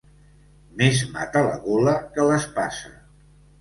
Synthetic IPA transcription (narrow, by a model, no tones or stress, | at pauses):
mezma̰t̪ələ̰ɣoləkələspasə̰